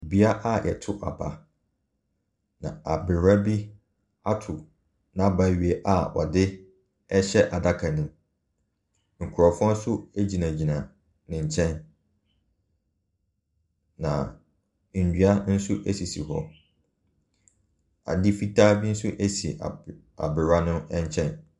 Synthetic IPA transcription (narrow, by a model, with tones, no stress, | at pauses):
bi˦a˦ʔa˦jʔɛ̰˨tʰʊ˦ʔa̰˨ba̰˦˨ | nã̰˨a˨bɪ˨ɾa˦bi˦ | a˦tʰʊ˨ | nã˦˨ba˦ɥi˨e˦ʔa˨ɔ̰˨dɪ˦ | ɛ˦ɕɛ˦ʔa˨da˦kʰa˨nũ˦ | ŋ̩˨kʰʊ˨ɾɔ˨fʊ̃˦a˦sʊ˦æ˦d͡ʑi˨nã˨d͡ʑi˨nã˨ | nɪ̃˨ɲ̩˨t͡ɕʰɛ̃˦n | nã̰˨ | n̩˨dɥa˦n̩˦sʊ˦ʔæ˦si˨sḭ˨hɔ̰˦ | a̰˨dɪ˦fi˦tʰa˦bi˦n̩˦sʊ˦ʔæ˦sḭ˨ | a̰˨bɪ˨ɾa˦nʊ̃˦ɛ̃˦ɲ˦t͡ɕʰɛ̃˦n